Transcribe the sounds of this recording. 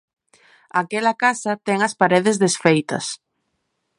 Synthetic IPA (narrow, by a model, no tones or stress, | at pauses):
akɛlɐkasɐt̪ɛŋɐspaɾeðɪzðesfejt̪ɐ̰s